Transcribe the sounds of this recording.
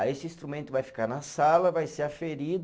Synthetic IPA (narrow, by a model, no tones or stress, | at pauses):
esɪĩst̪ɾumẽnt̪ʊvajfi̥kaɾnɐsalɐvajseɾafeɾid̪ʊ